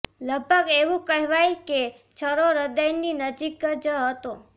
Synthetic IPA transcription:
ləɡ̚bʱəɡeʋũkəɦɛʋajke | t͡ʃʰəɾoɾəd̪əjninəd͡ʒikːəd͡ʒəɦət̪o

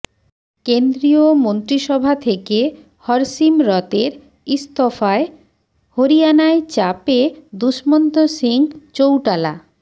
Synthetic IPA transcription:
kend̪ɾiomont̪ɾiʃɔbʱat̪ʰeke | hɔɾsimɾɔt̪eɾ | ist̪ɔfae | hoɾijanaet͡ɕaped̪uʃmont̪osiŋt͡ɕowʈala̰

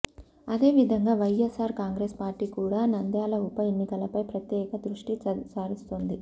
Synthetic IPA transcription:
ɐd̪e̞ːʋid̪ʱɐŋɡaːʋɐjesaːɾkaːŋɡɾeːspaːɾʈiːkuːɽaːnɐnd̪jaːlɐupɐjenːikɐlɐpɐjpɾɐt̪jɛːkɐd̪ɾuʂʈit͡ʃaːɾist̪oːnd̪i

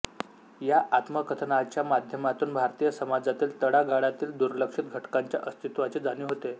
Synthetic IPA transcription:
jaʔat̪məkət̪ʰənat͡ɕjamad̪ʱjəmat̪uːnbʱaɾt̪ijəsəmad͡zat̪iːlt̪əɽaɡaɽat̪iːld̪uɾləkʂit̪̚ɡʱəʈkaɲt͡ɕja̰ʔəst̪ʰit̪ʋat͡ɕed͡zaniːɦot̪e

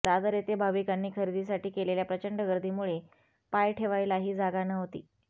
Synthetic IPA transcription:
d̪ad̪əɾet̪ebʱaʋikanːiːkʰəɾid̪is̬aʈiːkeleljapɾət͡ɕəɳɖəɡəɾd̪ʱimuɭe | pajʈʰeʋajlaɦiːd͡zaɡanəɦot̪ḭː

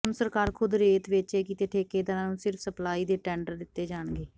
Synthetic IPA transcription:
msəɾkaːɾkʰʊd̪ɾeːt̪ʋɪt͡ʃeːkiːt̪eːʈʰeːkeːd̪aːɾãːnũːsɪɾfʰsəplaːiːd̪eːʈɛ̃ːɳɖəɾd̪ɪt̪ːeːd͡ʒaːɳɡeː

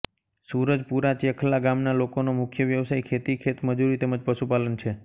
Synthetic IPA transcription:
suɾəd͡ʒpuɾat͡ʃiəkʰəlːaɡamnalokonomʊkʰjəʋjəʋsajkʰet̪ikʰet̪məd͡ʒuɾit̪ɛməd͡ʒpəʃupalənt͡ʃʰe

